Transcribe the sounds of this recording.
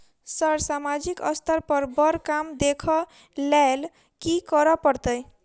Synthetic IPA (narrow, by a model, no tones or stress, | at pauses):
sʌɾsamad͡ʒikʌ̰st̪ʰəɾpəɾbʌɾkamd̪ekʰʌ | lal | kikəɾɔpəɾt̪əj